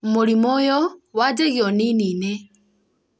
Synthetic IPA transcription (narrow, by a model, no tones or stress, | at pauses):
moɾimojowad͡ʒeɣjoniniːne